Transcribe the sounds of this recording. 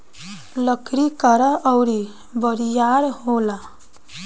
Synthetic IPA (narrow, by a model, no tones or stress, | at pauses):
ləkʰɾikəɾʌʔʌwɾi | bəɾijaɾɦola